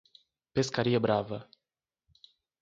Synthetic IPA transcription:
peskaɾijebɾavə

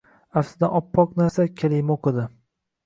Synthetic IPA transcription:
afsɪd̪aɒpʰːɒqnaɾsakʲʰalɪjmoqʰɨd̪ɪ

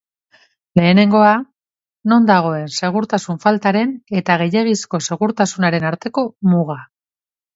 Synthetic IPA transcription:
le̞ːne̞ŋɡo̞a | no̞nd̪aɣ̞o̞e̞nse̞ɣ̞uɾt̪asuɱfalt̪aɾe̞ne̞t̪aɣ̞e̞je̞ɣ̞isko̞se̞ɣ̞uɾt̪asunaɾe̞naɾt̪e̞ko̞muɣ̞a

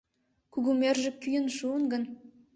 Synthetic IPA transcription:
kuɣumerʒĕkːyjə̆nʃuənɡə̆n

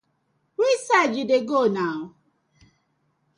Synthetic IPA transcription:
wisad͡ʒideɡonaɦʊ

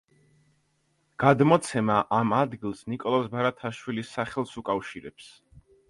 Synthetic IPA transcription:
ɡ̥ad̪mɔt̪sʰɛmaʔamad̪ɡilˠsnikʼɔlˠɔsbaɾat̪ʰaʃwilisːaχɛlˠsukʼafʃiɾɛ̰ps

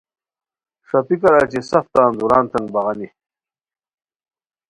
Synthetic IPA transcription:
ʂɐpikɐɾat͡ɕesɐft̪aːnd̪uɾaːnt̪ɐŋɡbɐɣɐni

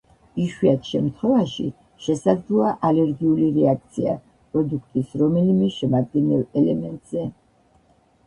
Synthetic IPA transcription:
iʃwiat̪ʰʃɛmt̪ʰχwɛvaʃḭ | ʃɛsad̪zlˠɔaʔalɛɾɡiuliɾɛak̚ʰt̪sʰia̰ | pʼɾɔd̪ukʰt̪ʼisɾɔmɛlimɛʃɛmad̪̚ɡɛnɛlɛlɛmɛnt̪ʼz̥ɛ

